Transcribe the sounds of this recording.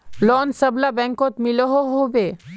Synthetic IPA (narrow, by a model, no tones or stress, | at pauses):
lɔːnsəblabɛ̃ŋkot̪mɪloɦoɦobeː